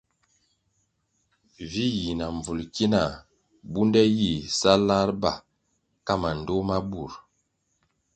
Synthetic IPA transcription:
vi˦ji˨na˨ɱ˨vu˨lki˦na˨ | bu˦ndɛ˦ji˨sa˦la˦ɾba˨ | ka˦ma˨n˨do˦ma˦bu˨ɾ

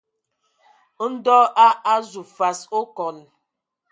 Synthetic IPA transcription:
n̩˦dɔː˦ʔa˦ʔa˦zu˨fa˨so˦kɔ˨n

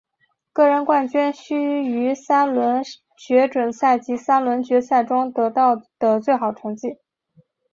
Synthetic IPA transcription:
kɤ˥˩ɻə˧˥nkwa˥˩nt͡ɕy˥nɕy˥y˧˥sa˥lwə˧˥n | t͡ɕɥɛ˧˥ʈ͡ʂwə˨˩nsa˥˩ɪt͡ɕi˧˥sa˥lwə˧˥nt͡ɕɥɛ˧˥sa˥˩ɪʈ͡ʂʊ˥ŋt̪ɤ˧˥t̪ɑ˥˩ʊd̪̥ə˩t͡swe˥˩ɪxɑ˨˩ʊʈ͡ʂʰɤ˧˥ŋt͡ɕi˥˩

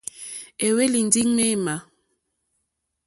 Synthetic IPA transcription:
e˨we˦li˨n˨di˦ŋme˦˨ma˨

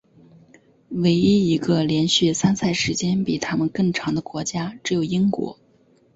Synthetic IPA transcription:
we˧˥ɪi˥i˧˥ɡə˧ljɛ˧˥nɕy˥˩sa˥nsa˥˩ɪʂɻ̩˧˥t͡ɕjɛ˥npi˨˩t̪ʰa˥mə˨nkɤ˥˩ŋʈ͡ʂʰɑ˧˥ŋd̪ə˧kwɔ˧˥t͡ɕja˥ʈ͡ʂɻ̩˧˥jo˨˩ʊi˥ŋkwɔ̰˧˥

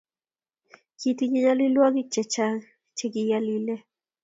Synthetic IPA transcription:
ki˨ti˦ɲi˦ɲa˦li˦lwɔ˦ɡi˦t͡ʃɛ˨t͡ʃa˦ŋ | t͡ʃɛ˦˨ɡi˨ja˦li˦lɛ˦

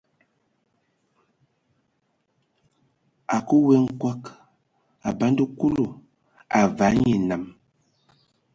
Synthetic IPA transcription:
a˨ku˦we˦ŋ̩˦kwa˦k | a̰˨ba˨˦n˦də˦ku˦lo˨ | a˨va˨˦ɲe˨na˨m

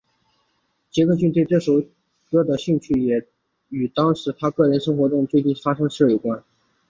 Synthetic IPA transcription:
t͡ɕjɛ˧˥ko˥˧t͡ɕy˥˧nt̪we˥˧ɪʈ͡ʂɤ˥˩ʂo˧˥ʊ | kɤ˥˩d̪ə˨ɕy˥˧ŋt͡ɕʰy˥˩jɛ˨˩ | y˨˩t̪ɑ˥ŋʂɻ̩˧˥t̪ʰa˥kɤ˥˩ɻə˧˥nʂɤ˥ŋxwɔ˧˥ʈ͡ʂʊ˥˧ŋt͡swe˥˧ɪt͡ɕi˥˩nfa˥ʂɤ˥ŋʂɻ̩˥˩ɻe˨˩kwa˥n

